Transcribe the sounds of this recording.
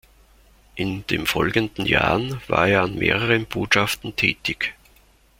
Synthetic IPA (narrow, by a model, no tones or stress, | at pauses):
ʔɪnd̥eːnfɔlɡəndn̩ja̰ːʁnva̰ːɐeːɐanmḛːʁ̞əʁənb̥oːtʃaftn̩tʰɛːtɪç